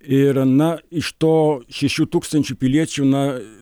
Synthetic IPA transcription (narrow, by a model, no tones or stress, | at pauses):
ɪɾɐnɐɪʃt̪oːʃʲɛʃʲuːt̪uːkst̪ɐnʲt͡ʃʲupʲɪlʲiɛt͡ʃʲʊnɐ